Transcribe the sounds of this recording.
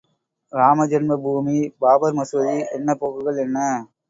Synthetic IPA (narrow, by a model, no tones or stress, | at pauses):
ɾaːmɐd͡ʒɐnmɐbʱuːmibaːbɐɾmɐsʋɐðiɛnːɐpoːɣɯɣɐɭɛnːɐ